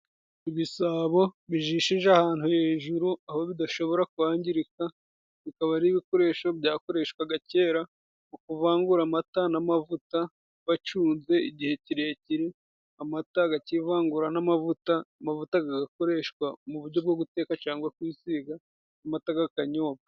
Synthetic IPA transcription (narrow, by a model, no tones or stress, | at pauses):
iβisaːβo̞βiʒiːʃiʒeahaːn̥huheːʒuɾuaho̞βidaʃo̞βo̞ɾakuaːɲɟiɾika | βikaβaɾiβiko̞ɾe̞ʃo̞bjaːko̞ɾe̞ːʃkwaɡace̞ːɾa | mukuvaːŋɡuɾamatanamavuta | βat͡ʃuːnze̞iɟihe̞ciɾe̞ːciɾi | amataɡacivaːŋɡuɾanamavutaːmavutaɡaɡako̞ɾe̞ʃkwamuβuɾɟo̞b̚ɡoɡute̞ːkat͡ʃaːŋɡwakwisiɡa | namataɡakaɲo̞ːβa